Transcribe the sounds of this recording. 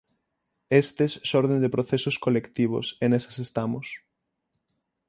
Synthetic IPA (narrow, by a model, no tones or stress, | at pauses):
est̪esːɔɾðẽnd̪epɾoθesoskolekt̪iβ̞o̰senese̥sest̪amos